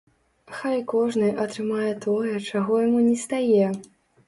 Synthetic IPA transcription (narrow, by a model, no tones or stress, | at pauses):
xajkɔʐnɨjʔɐt̪ɾɨmajɛt̪ɔjɛt͡ʂaɣɔjamunʲɛst̪ajɛ